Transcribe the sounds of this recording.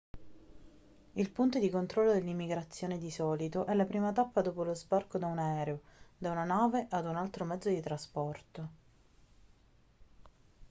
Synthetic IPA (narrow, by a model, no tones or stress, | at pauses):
ilpunt̪od̪ikont̪ɾɔlːod̪elːimːiɡɾat̪sːjoːned̪isɔːlit̪oʔɛlːapɾiːmat̪apːad̪oːpolozbarkod̪aunaɛːɾeod̪aunanaːveʔad̪unalt̪ɾomɛd̪zːod̪it̪ɾaspɔrt̪o